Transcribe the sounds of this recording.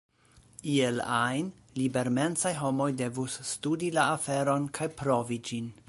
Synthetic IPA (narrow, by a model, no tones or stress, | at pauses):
ielajn | libe̞ɾme̞nt͡sajɦo̞mo̞jde̞vusːtudilaːfe̞ɾo̞nkʰajpɾo̞vid͡ʒin